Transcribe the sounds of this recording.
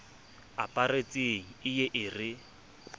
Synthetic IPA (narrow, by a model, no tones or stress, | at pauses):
apʼaret͡sʼeŋ̩ɪjeʔɪrɪ